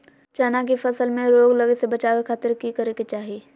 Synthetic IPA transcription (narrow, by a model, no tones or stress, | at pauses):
t͡ʃaːnakifɐsəlmẽɾoːɡlɐɡesebɐt͡ʃaːwekʰaːt̪ɪɾkikɐɾeket͡ʃaːɦieː